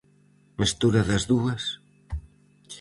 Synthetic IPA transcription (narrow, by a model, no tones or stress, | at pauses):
mist̪uɾɐðɐzðuɐs